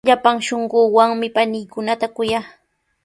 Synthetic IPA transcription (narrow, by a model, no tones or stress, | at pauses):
ʎapaŋʃoɴɢʊːwaŋmɪpanɪjkʊnat̪akʊjaː